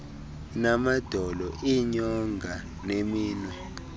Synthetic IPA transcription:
namad̥ʱɔlɔʔiɲɔŋɡʱa | nemiːnwɛ

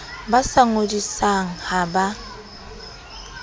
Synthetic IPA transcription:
basaŋodisaŋ̩haba

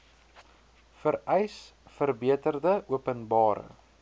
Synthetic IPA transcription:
fəɾɛjsfərbiətərdəʔuəpənbɑːɾə̰

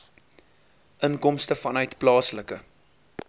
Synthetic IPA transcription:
ʔənkɔmstəfɐnœɥtplɑːsləkə

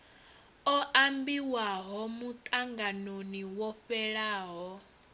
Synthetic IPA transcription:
ɔʔambiwaɦɔmut̪ʼaŋɡanoniwɔɸɛɺaːɦɔ

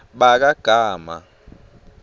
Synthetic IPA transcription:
ɓak̬aɡ̥ʱaːma̰

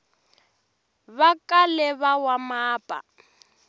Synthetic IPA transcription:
βakʼalɛβawamaːpʼa̰

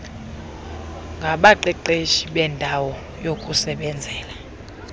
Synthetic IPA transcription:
ŋɡʱaɓaǃɛǃeʃiɓɛndʱawɔ | jokʼusɛɓɛnd͡zʱɛːla

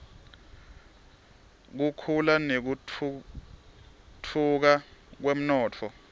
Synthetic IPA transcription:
k̬ukʰulanek̬u | tʰuk̬ak̬wem̩nɔːtʰɔ

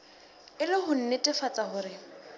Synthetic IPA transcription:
ɪlɪɦʊn̩netʼɪfat͡sʼahʊːɾɪ

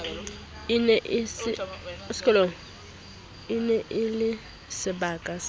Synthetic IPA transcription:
ɪnɛʔ | skʼɛlo | ɪnɛʔɪlɪ | sɪbaːkʼas

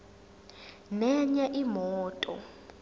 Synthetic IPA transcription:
nɛɲaʔimɔːtʼɔ̰

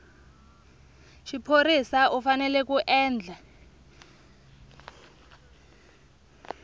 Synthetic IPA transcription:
ʃipʰoɾisaʔufanɛlɛkuʔɛːnd͡ɮʱa

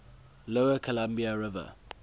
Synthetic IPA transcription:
loʊəkʰɔlãmbiaɹɪvə̰

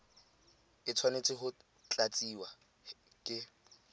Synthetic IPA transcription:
ɪt͡sʰwanet͡sʼɪɦʊ | t͡ɬʼat͡sʼiwa | kʼɪ

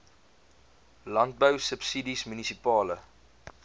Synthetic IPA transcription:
lɐnt̚bəwsəpsidismynisipɑːlə

